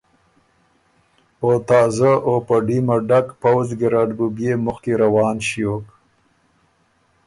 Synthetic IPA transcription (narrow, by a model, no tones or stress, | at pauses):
ot̪ɑːzaʔopəɖimaɖakpawzɡɪɾɑːɖbubjemʊxkeɾawɑːnʃijok